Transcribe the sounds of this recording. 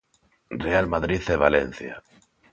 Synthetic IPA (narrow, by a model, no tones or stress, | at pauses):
realmaðɾiθeβ̞alḛn̟θja̰